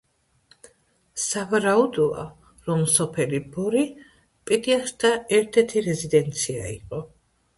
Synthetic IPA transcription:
savaɾaud̪ɔa̰ | ɾɔmsɔpʰɛlibɔɾi | pʼid̪iast̪ʰaɛɾt̪ʰɛɾt̪ʰiɾɛzid̪ɛnt̪sʰia̰ḭqʼɔ

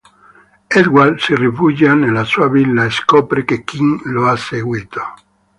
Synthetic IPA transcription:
ed̪ɡwalsirifud͡ʒanelasuaβilːaeskopɾekekiŋloaseɣwit̪o̥

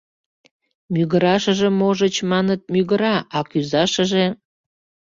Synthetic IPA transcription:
myɣəɾɑʃə̆ʒemoʒət͡ɕmɑnət̪̚myɣəɾɑʔɑkyzɑʃəʒe

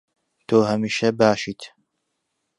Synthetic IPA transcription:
t̪ʰoːhɐmiːʃɐbaːʃiːt̪

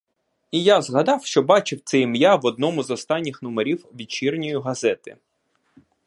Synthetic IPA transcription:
ijazɦɐd̪ɑwʃt͡ʃɔbɑt͡ʃɪwt̪sɛimjaʋɔd̪̚nɔmʊzɔst̪ɑnʲːɪxnɔmeɾʲiwʋʲid̪̚t͡ʃirnʲɔjʊɦɐzɛt̪ɪ̰

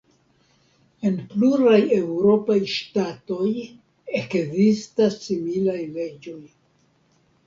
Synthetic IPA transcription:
e̞npluɾaje̞wɾo̞pajʃtato̞j | e̞kzistasːimilajle̞d͡ʒo̞j

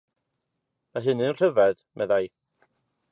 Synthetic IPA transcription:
maɦɨnɨnr̥əvɛðmʔɛ̰ðaj

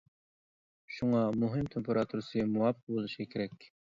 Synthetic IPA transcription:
ʃuŋɑmuɦɨmt̪ʰempʰeɾɑt̪ʰuɾɨsɨmuwɑpːq̚bolˠuʃɡɑkʲʰeɾɛkʲ

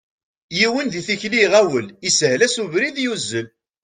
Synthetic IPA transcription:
jiwənðiθiçliʁæwəlisəhlæsuvɾiðjuzːəl

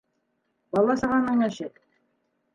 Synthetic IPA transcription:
bɑlˠɑsɑʁɑnɑnæʃɘk̪

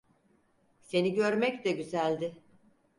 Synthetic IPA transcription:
se̞niɟø̞ɾmɛcd̪ɛɟyzælʲd̪ɪ

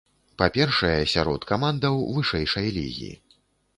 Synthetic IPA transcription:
papʲɛrʂɐjɛsʲaɾɔ̰t̪kamand̪ɐwvɨʂɛjʂɐjlʲḭɣʲḭḭ

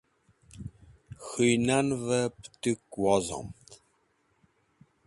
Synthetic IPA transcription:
xɨjnænvəpt̪ɨkwɑzɑ̰mt̪ʰ

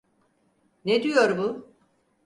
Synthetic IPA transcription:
ned̪yjoɾbu

